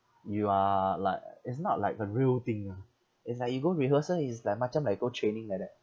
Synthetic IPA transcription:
jualaɪkɪtsnɔ̰t̚laɪkəɹiəlt̪ĩŋa | ɪts̬lajk̚juɡoɹiɦəsəlislaɪk̚mat͡ʃə̃mlaɪk̚ɡotʰɹẽnɪ̃ŋlajk̚dɛt̚

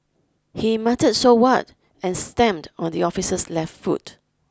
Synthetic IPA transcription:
himatəd̚sowat | ɛ̃nstɛ̃mdɔ̃ndiɔfisəslɛftfṵt

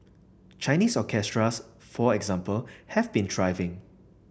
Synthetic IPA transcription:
t͡ʃãɪniːsɔkʰɛstɹas | fɔɛɡzãmpəlhɛvbĩndɹaɪvɪ̃ŋ

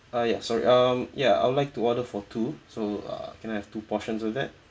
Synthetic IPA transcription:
ajasɔɹḭʔʌmjaa̰ɪwʊdlaɪk̚tuɔdəfɔtʰusoʌ̰kɛ̃najhɛftupɔʃə̃nsɔvdɛt̚

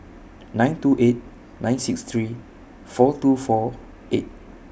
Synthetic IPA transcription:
nãɪ̃ntuʔet̚ | nãɪj̃nsikst̪ʰɹi | fɔtufɔ | ʔet̚

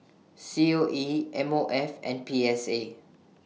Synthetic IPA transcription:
sioʔiʔɛ̃moʔɛfɛ̰̃npiɛse

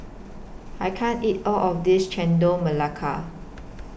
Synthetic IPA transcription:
ajkʰãnitɔlʔɔfdist͡ʃɛ̃ndoməlakʰa̰

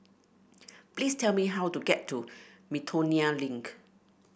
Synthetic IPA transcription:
pliːstʰɛlmiɦawtuɡɛtʰːumitʰonialĩŋk

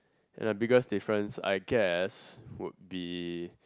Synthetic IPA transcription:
ɛ̰̃nabiɡəstefɹə̃nsa̰ɪɡɛswʊ̰t̚bi

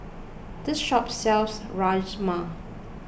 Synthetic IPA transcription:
d̥ɪsʃɔpsɛlsɹad͡ʒma

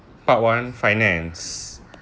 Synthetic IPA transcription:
paʔ̚wãnfajnɛ̃ns

